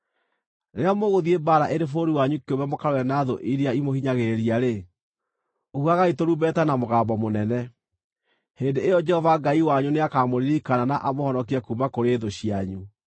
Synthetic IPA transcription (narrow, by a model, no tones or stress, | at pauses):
neamoɣoðiebaːɾaʔeɾefoɾiwaɲukiomamokaɾwɛnaðo̰ʔiɾiaimohiɲaɣeɾiaɾe | ohuaɣaitoɾuːbɛtanamoɣaːmbɔmonɛnɛ | heːndeejɔd͡ʒɛhɔvaɡaiwaɲuneakaːmoɾiɾikananaʔamohɔnɔkiakumakoɾeðoɕiaɲu